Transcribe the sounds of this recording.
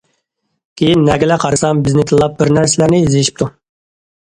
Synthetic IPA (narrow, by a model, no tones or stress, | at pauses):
kʲʰejinːɛɡʲilɛqʰɑɾɨsɑmbɪznɪt̪ʰɨlˠːɑp̚bɪɾnæɾsɪlæɾnɪiziʃi̥p̚t̪ʰu